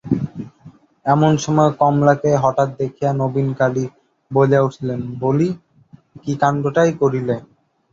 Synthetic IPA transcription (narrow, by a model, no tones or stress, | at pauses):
ɛmonʃɔmɔekɔmlakeɦɔʈat̪̚d̪ekʰijanobinkali | bod͡ʑauʈʰilenboli | kikanɖoʈajkoɾile